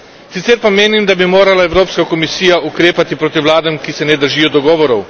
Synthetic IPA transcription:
sit̪sɛɾpameːnimd̪abimoːɾalaɛwɾoːpskakɔmisiːjaʔukɾeːpat̪ipɾoːt̪iwlaːd̪ɛmkisɛnɛd̪əɾʒiːjɔd̪ɔɡɔːʋɔɾɔw

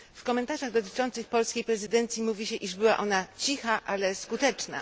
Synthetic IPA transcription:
fkɔmɛnt̪aʐaɣd̪ɔt̪ɘ̥t͡ʂɔnt̪sɘxpɔlskʲejpɾɛzɘd̪ɛnt̪sʲjimuvʲiɕɛʔiʐbɘwa̰ʔɔnat͡ɕixaʔalɛskut̪ɛt͡ʂna̰

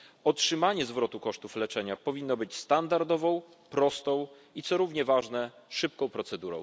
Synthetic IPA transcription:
ɔtʂɘmaɲɛzvɾɔt̪ukɔʂt̪uflɛt͡ʂɛɲapɔvʲinːɔbɘt͡ɕst̪and̪aɾd̪ɔvɔ̃w̃ | pɾɔst̪ɔ̃w̃ | it̪sɔɾuvɲɛvaʐnɛ | ʂɘp̚kɔ̃w̃pɾɔt̪sɛd̪uɾɔ̰̃w̃

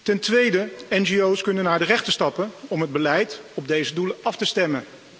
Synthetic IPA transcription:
tɛntʋejdəɛnʒiowskɵnənaːɹdərɛχtəstɑpənɔmɦəd̚bəlɛjtɔb̚dejzəduləɑftəstɛmən

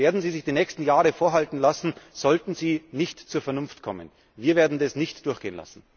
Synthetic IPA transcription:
eːɐdn̩ziːzɪçd̥iːnɛːçstn̩jaːʁəfoːɐɦaltn̩lasn̩z̥ɔltn̩ziːnɪçtt͡suːɐfɛɐnʊnftkʰɔmə̰n | viːɐveːɐdn̩dasnɪçtd̥ʊɐxɡ̥eːənla̰sn̩

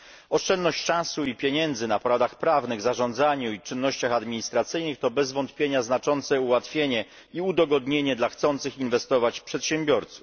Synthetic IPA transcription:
ɔʂt͡ʂɛnnɔɕt͡ɕʂãsuipʲjeɲɛnd̪zɘnapɔɾad̪axpɾavnɘɣzaʐɔnd̪zaɲuit͡ʂɘnːɔɕt͡ɕaxad̪mʲiɲist̪ɾat̪sɘjnɘxt̪ɔbɛzvɔnt̪pʲjeɲaznat͡ʂɔnt̪sɛuwat̪fʲjeɲɛ | iud̪ɔɡɔd̪ɲeɲɛd̪laxt̪sɔnt̪sɘxinvɛst̪ɔvat͡ɕpʂɛt̪ɕɛmbʲjɔɾt̪su̥f

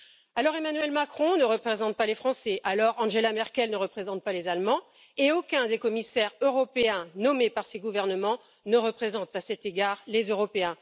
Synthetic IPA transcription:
alɔʁemanyɥɛlmakχɔ̃nəʁəpχezɑ̃t̪̚palefχɑ̃sɛʔalɔʁɑ̃ʒelamɛʁkʲɛlnəʁəpχezɑ̃t̪̚palezalmɑ̃ | eokʲɛ̃d̪ekɔmisɛʁøʁɔpeɛ̃nɔmepaʁseɡuvɛʁnəmɑ̃ | nəʁəpχezɑ̃t̪asɛt̪eɡaʁlezøʁɔpeɛ̃

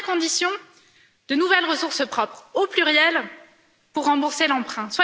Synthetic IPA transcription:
kɔ̃d̪isjɔ̃ | d̪ənuvɛlʁəsuʁspχɔpχoplyʁjɛl | puʁːɑ̃buʁselɑ̃pχɛ̃swa

